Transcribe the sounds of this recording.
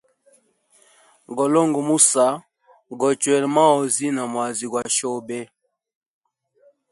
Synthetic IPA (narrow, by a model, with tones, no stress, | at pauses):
ɡɔ˨lɔ˦ŋɡɔ˨mu˦sa˨˦ | ɡɔ˨t͡ʃwɛ˨lma˦ɔ˨zi˦na˨mwa˨zi˨ɡwa˨ʃɔ˦˨bɛ˦